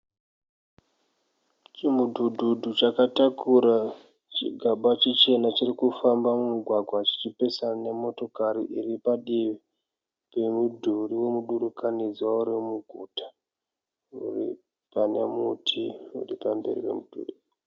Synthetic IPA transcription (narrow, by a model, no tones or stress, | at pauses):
t͡ʃimudʱudʱudʱut͡ʃakatakʰuɾa | t͡ʃḭɡʱaɓat͡ʃit͡ʃe̞nat͡ʃirikufambamumuɡʱwaɡʱwat͡ʃi̥t͡ʃipe̞sane̞mo̞to̞kaɾiʔiripaɗiʋi | pe̞mudʱuriwe̞muɗuɾukanid͡zwauɾimuɡʱutḁ | ṵri | pane̞mutʰiṵripambe̞̰rḭwe̞̰mud̥ʱṵɗi